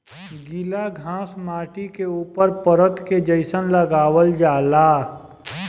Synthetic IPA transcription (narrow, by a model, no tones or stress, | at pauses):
ɡilaɡʱãːsmaːʈikeuːpəɾpəɾət̪ked͡ʒəɪsənləɡaːwəld͡ʒaːlaː